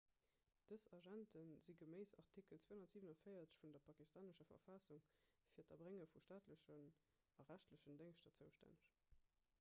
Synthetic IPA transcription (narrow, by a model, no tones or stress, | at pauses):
d̥əsɑʒæntənziɡəmeɪsɑʁtʰikəlt͡sweːhunɐtz̥iːvənɑfəɪɐt͡sə̥ɕfundɐpʰɑkistaːnəʃɐfɐ̰fɑsuŋfiːɐtɐbʁeŋəfuʃtaːtləɕən | ɑʁæʃtləɕəndeŋʃtɐt͡səʊʃtæ̰nəɕ